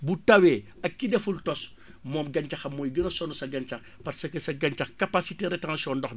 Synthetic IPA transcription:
butɐwɛːɐkːidɛfultɔs | mɔːmɡɐnt͡ʃɐxɐmːɔːjɡənɐsɔnusɐɡɐnt͡ʃɐx | pɐɾsɐkɐsɐɡɐnt͡ʃɐxkapasiteɾɛtɐŋɐʃɔːndɔx

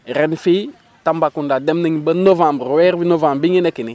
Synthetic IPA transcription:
ɾɛnfi | tambakundademnəŋbənovãmbɾwɛɾbinovãmbiŋenekini

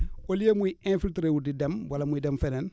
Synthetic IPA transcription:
olijemuiɛ̃filtɾewudidɐmwɐlamuidɛmfɛnɛn

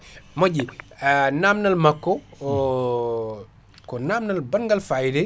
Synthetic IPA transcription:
moɟianaːmnɐlmakːo | konaːmnɐlbɐŋɡalfajide

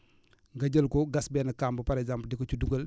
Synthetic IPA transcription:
ŋɡɐɟəlkɔɡɐsbɛːnɐkambəpɐɾɛkzampldɛkocuduɡɐl

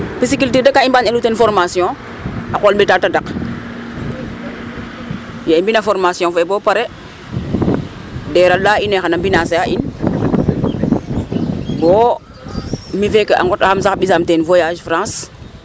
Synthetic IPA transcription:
pis̬ikiltidekaimbaɲalutenfɔɾmasjɔ̃ | akolbetatadak | jaimbinafoɾmasijɔ̃febopaɾe | deɾalaːinexanambinasejaʔin | bo | mivekəa̰ŋɡɔtaxams̬axɓisamtenvojaːʃfɾãːs

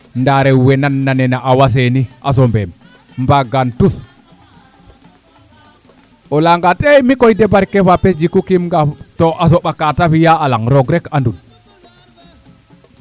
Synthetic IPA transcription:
ndaɾɛwɛnanːanɛnaʔawas̬eniʔas̬ɔmbɛm | mbaɡantus | ʔɔlaŋɡatʼɛmikɔjdɛbaɾkɛfapesd͡ʒikukimŋɡatɔʔas̬ɔɓakatafijaalaŋɾɔɡɾɛkandun

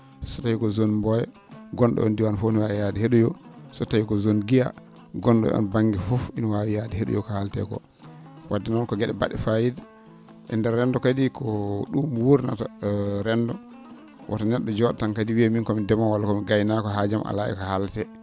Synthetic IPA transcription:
sɔtawikɔzonmbɔjɛ | ɡɔnɗɔ̰ɔ̰ndiwanfoniwawɛjadiheɗujɔsɔtawikɔzonɡija̰ | ɡɔnɗɔ̰ɔ̰nbaŋɡɛfufinwawijadiheɗṵjɔkɔhaltɛ̰kɔ̰ | wadːɛnɔnkɔɡɛɗɛba̰ɗɛfajid | ʔɛndɛɾːɛndɔkadikʰɔɗumwoɾina̰taɾɛndɔ | wʔa̰tanɛɗːɔd͡ʒɔɗatankadiwiaminkɔmindɛmawalakɔmiɡajnakɔɦad͡ʒamʔa̰laʔḭkahaltɛ

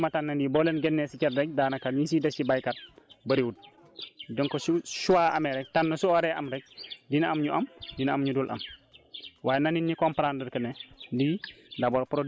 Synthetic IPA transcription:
mɐtanːɐndibɔːlɛnɡɛnːɛsicɛdɾɛk̚daːnɐkatɲis̬idɐssibajkat̚bɐɾiut̚ | dɔŋkɔsuʃuwaːʔɐmɛɾɛk̚tanːɐsuɔɾɛʔɐmɾɛk̚dinɐamɲuʔɐmdinɐamɲudulʔɐ̰m | waːjɛnaninːikɔmpaɾandəɾkɐnɛdindabɔːlpɾod

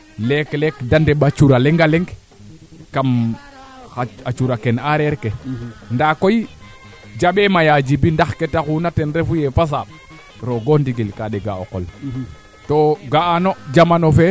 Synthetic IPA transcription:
leklekdandeɓat͡ʃuɾaleŋɡaleŋɡ | kam | xaat͡ʃuɾakenaɾeɾkendakoj | d͡ʒaɓemajad͡ʒibindaxketakunatenɾefujefas̬aɓ | ɾoɡondiɡilkaɗeɡao̰ko̰l | toɡaanod͡ʒamanofe

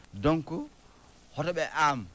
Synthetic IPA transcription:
doŋku | hɔtɔɓɛʔam

